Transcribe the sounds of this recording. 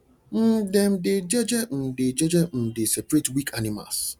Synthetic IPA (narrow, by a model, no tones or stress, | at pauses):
n̩dɪm̩dɪd͡ʒɛd͡ʒɛn̩dɪd͡ʒɛd͡ʒɛn̩dɪsɛpɾetwikʰanima̰s